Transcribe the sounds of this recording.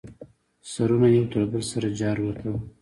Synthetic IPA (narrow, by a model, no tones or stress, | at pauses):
saɾunajimt̪əɾbəlsaɾad͡ʒɑɾwəkaw